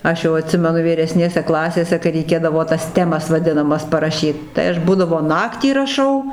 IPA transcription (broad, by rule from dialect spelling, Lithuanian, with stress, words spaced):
ˈɐʃ jɛʊ ɐˈtʲsʲɪmʲɛnʊ ʋʲiːrʲɛˈsʲnʲeːsʲɛ ˈklˠɑːsʲeːsʲɛ kɐɪ rʲɛɪˈkʲeːdɐʋoː tɐs ˈtʲæːmɐs ʋɐˈdʲɪnɐmɐs pɐrɐˈʃʲiːt ˈtɐɪ ɐʃ ˈbuːdɐʋoː ˈnɑːktʲiː rɐˈʃɐʊ